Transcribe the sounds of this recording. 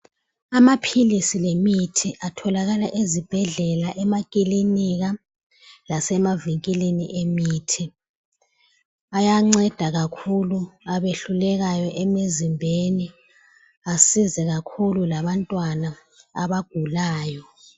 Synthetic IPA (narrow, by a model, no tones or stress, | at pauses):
amapʰilisilemitʰiʔatʰɔlaɣalaʔezib̥ʱɛɮɛlaʔɛmakʼiliniɣa | lasɛmaviŋkʼiliniʔemiːtʰi | ajaŋ͡ǀɛd̥ʱaɣakʰuluaβeɬulɛɣajɔʔɛmezimbʱeni | asizɛɣakʰululaβantʼwanaː | βaɡ̥ʱulaːjɔ